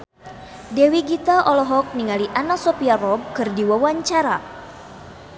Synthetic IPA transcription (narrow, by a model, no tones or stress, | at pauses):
dewiɡit̪aʔɔlɔɦɔk̚niŋaliʔanasɔpiarɔb̚kɨrdiwawaɲt͡ʃaɾa